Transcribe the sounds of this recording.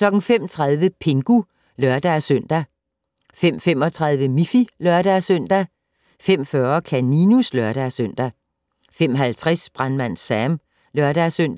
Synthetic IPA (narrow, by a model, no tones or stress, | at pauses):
kʰlɒ̽ɡ̥n̩fem̰t͡sʰʁɑ̈ð̞ˠʋəpʰe̝ŋɡ̥u | lœɐd̥æsøn̰d̥æ | fem̰fem̰ɒ̽t͡sʰʁɑ̈ð̞ˠʋəmifilœɐɾ̥æsøn̰d̥æ | fem̰fɶɐkʰæninuslœɐɾ̥æsøn̰d̥æ | fem̰ɦælt͡sʰʁɛsb̥ʁanmæn̰sæm | lœɐd̥æsøn̰d̥